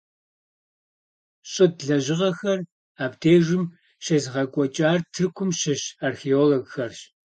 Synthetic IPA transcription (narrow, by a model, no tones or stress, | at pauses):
ɕʼɪdɮɐʑɪʁɐxɐr | aːbdeːʒɪm | ɕɐzɨʁɐkʷʼɔt͡ʃʼaːrtʰɨrkʷʰʊmɕɐɕaːrxeoːloɡxɐrɕ